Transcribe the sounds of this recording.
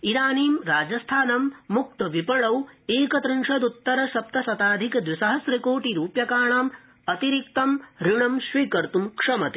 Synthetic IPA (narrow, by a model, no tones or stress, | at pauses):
iɾaːniːmɾaːd͡ʒɐst̪ʰaːnɐmːuk̚t̪ɐʋipɐɳɐweːkɐt̪ɾɨɳʂɐd̪ut̪ːɐɾɐʃɐp̚t̪ɐsɐt̪aːd̪ʱikɐd̪ʋisɐɦɐsɾɐkoːʈiɾuːpjɐkaːɳaːm | ɐt̪iɾik̚t̪ɐmɾiɳɐmʃʋiːkɐɾt̪umkʂɐmɐt̪i̥